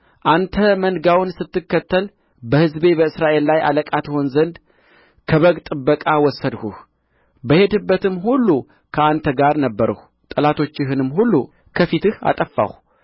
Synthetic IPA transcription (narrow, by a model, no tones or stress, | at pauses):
ʔant̪ʰəmənɡawɨnsɨt̪ːɨkːət̪ːəl | bəhɨzbe̞βəɨsɾaʔe̞lːajʔa̰ləkʼat̪ho̞nzənd̪ | kʰəβəɡt̪ʼɨbːəkʼawɔsːəd̪huh | bəhe̞d̪ɨbːət̪ɨmhulːu | kʰəant̪ʰəɡaɾnəbːəɾə̰h | t̪ʼəlat̪ʰo̞t͡ʃːɪɦɨnɨmːɦulːu | kʰəfit̪ɨha̰t̪ʼəfːa̰h